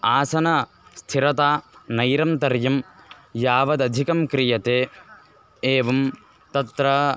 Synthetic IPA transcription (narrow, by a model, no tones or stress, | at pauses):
aːsɐnɐ | st̪ʰiɾɐt̪aːnɐjɾɐmt̪ɐɾjɐm | jaːʋɐd̪ɐd̪ʱikɐmkɾijɐt̪eː | eːʋɐm | t̪ɐt̪ɾɐ